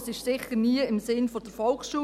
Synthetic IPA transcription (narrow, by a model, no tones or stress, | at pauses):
sɪʃsɪχəɾniəɪmsɪnfɔd̥əɾfɔlksʃuː